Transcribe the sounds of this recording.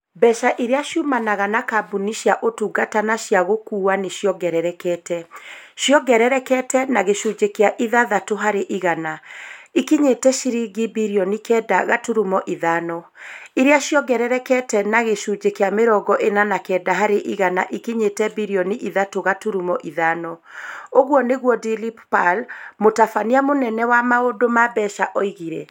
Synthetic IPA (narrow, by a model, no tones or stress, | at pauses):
bɛʃaʔiɾeaʃjumanaɣanakabuniʃjaʔotuːɡatanaʃjaɣokuːaneʃjɔɡɛɾɛɾɛkɛtɛʃjɔɡɛɾɛɾɛkɛtɛnaɣeʃud͡ʑekeaʔiðaðatoɦaɾeʔiɣanaikiɲetɛʃiɾiɡibiɾiɔnikɛːdaɣatuɾumɔʔiðaːnɔ | iɾeaʃjɔɡɛɾɛɾɛkɛtɛnaɣeʃuːd͡ʒekeameɾɔɡɔʔenanakɛːdaɦaɾeʔiɣanaʔikiɲetɛbiɾiɔniʔiðatoɣatuɾumɔʔiðaːnɔoɣwɔneɣwɔdilippalmotafaniamonɛnɛwamaodomabɛʃaʔɔiɣiɾɛ̰